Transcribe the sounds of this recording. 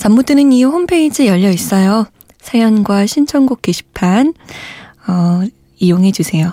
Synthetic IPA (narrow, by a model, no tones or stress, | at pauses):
t͡ɕamːud͈ɯnɯnihompʰe̞id͡ʑijʌʎːʌis͈ʌjo | sʰajʌnɡwaɕʰint͡ɕʰʌnɡuk͈eɕʰi̥pʰan | ʌ | ijoŋɦe̞d͡ʑusʰe̞jo